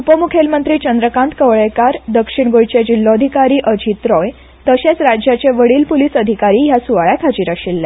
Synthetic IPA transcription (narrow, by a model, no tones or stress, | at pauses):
upəmukʰelmənt̪ɾiːt͡ɕənd̪ɾəkãnt̪kəʋɭekaɾd̪əkʂiɳ̃ɡojt͡ɕed͡ʑilːɔəd̪ʱikaɾiːʔəd͡ʑit̪ɾɔj | t̪əɕet͡sɾad͡ʑjat͡ɕeʋəɽiːlpuliːsəd̪ʱikaɾiːjasuʋaɭjak̪ʰad͡ʑiːɾaɕilːɛ